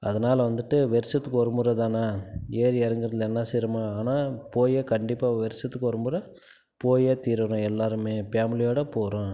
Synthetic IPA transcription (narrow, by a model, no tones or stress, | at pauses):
ʔɐðɐnaːlɐʋɐnd̪ɯʈːɯʋɛɾɪsɐt̪ːɯkːɔɾɯmbɯɾɐt̪aːnaːeːɾɛɾɐŋɡɪɾɐðɪlɛnːɐsɛɾɐmaːaːnaːpoːjeːkɐɳɖɪpːaːʋɛɾɪsɐt̪ːɯkːɔɾɐmbɯɾɐ | poːjeːt̪iːɾʋɐɾʊ̃ɛlːaːɾɯmeːpaːmɪlɪjoːɽɐpoːɾõː